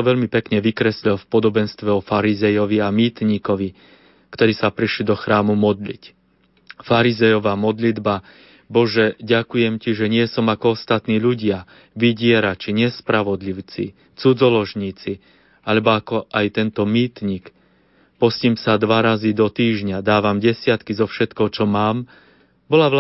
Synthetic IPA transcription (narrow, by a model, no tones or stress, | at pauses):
ɔʋɛʎmipɛkɲɛʋikɾɛsʎɔlfpɔd̪ɔbɛnst̪ʋɛɔfaɾizɛjɔʋiamiːt̪ɲikɔʋi | kt̪ɔɾiːsapɾiʃlid̪ɔxɾaːmumɔd̪lḭc | faɾizɛjɔʋamɔd̪lid̪ba | bɔʒɛɟakujɛmciʒɛɲɪɛsɔmakɔɔst̪at̪niːʎuɟɪa | ʋiɟɪɛɾat͡ʃiɲɛspɾaʋɔd̪liʊt͡sḭ | t͡sud͡zɔlɔʒɲiːt͡si | alɛbɔakɔʔajt̪ɛnt̪ɔmiːt̪ɲik | pɔsciːmsad̪ʋaɾazid̪ɔt̪iːʒɲad̪aːʋamɟɛsɪat̪kizɔfʃɛt̪kɔɦɔt͡ʃɔmaːm | bɔlaʋ